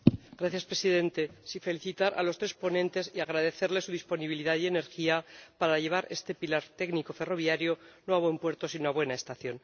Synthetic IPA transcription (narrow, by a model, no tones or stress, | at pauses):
ɡɾaθjaspɾe̞siðe̞nt̪e̞siɱfe̞liθit̪aɾʔa̰lo̞st̪ɾe̞spo̞nẽ̞nt̪e̞siaɣ̞ɾaðe̞θe̞ɾle̞suðispo̞niβiliðaðje̞ne̞ɾxiapaɾaʝe̞β̞aɾe̞st̪e̞pilaɾt̪e̞ɣniko̞fe̞ro̞βjaɾjo̞no̞aβwe̞mpwe̞ɾt̪o̞sinoaβwe̞naest̪aθjo̞n